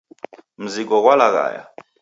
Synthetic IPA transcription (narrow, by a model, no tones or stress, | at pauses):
m̩zik̬ɔk̬ʼwalak̬a̰ːja̰